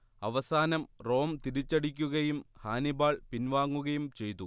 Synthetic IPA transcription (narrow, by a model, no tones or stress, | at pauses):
ɐʋɐsaːnɐmro̞ːmt̪iɾit͡ɕːɐɽikʲːuɣɐjumhaːnibaːɭpinʋaːŋːuɣɐjumt͡ɕe̞jt̪u